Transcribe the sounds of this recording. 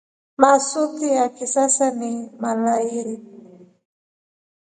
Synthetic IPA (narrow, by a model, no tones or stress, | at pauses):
masutijakisasanimalaiɾi